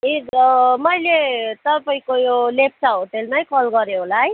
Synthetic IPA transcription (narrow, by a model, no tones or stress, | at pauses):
imʌjlet̪ʌpaĩkojolep̚ʰsaɦoʈelnajkʌlɡʌɾjoɦolaɦʌj